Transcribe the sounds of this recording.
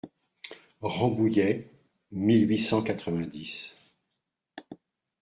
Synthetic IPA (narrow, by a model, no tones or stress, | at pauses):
ʁɑ̃bujɛ | milɥisɑ̃kat̪χəvɛ̃d̪is